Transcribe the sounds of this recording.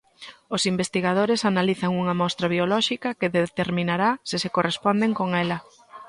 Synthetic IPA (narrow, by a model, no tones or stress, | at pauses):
osimbest̪iɣað̞oɾesanaliθɐŋuŋɐmɔst̪ɾaβiolɔʃikɐkɪðet̪eɾmĩnaɾasɪsekorespɔnd̪eŋkoŋɛlɐ